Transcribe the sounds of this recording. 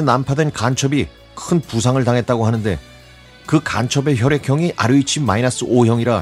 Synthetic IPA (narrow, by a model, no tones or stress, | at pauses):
enampʰadwenkant͡ɕʰʌbi | kʰɯnpusʰaŋɯɭtaŋɦe̞t̚t͈aɡoɦanɯnde̞̰ | kɯka̰nt͡ɕʰʌbe̞çjʌɾe̞kʰjʌŋiʔa̰ɾɯit͡ɕʰimma̰inas͈ʰɯʔojʌŋiɾa